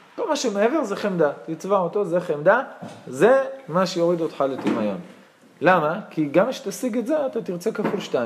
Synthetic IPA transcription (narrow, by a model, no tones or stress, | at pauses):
kolmaʃemeeve̞ʁzeχemd̪at̪it͡svaot̪o̞zeχemd̪aze̞maʃejo̞ʁid̪otχalet̪imajo̞̰n | lamakiɡamiʃt̪asiɡetzeat̪at̪iʁt͡se̞kafulʃtaim